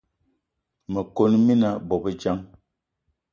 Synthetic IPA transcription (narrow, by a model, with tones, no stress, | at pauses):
mə˨ko˦nmi˦na˦bɔ˨bə˦d͡ʒa˦ŋ